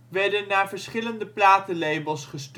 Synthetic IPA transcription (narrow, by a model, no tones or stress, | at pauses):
ʋɛɹdənːaːɹvəɹsχɪləndəplaːtəlejbəlˠsχəst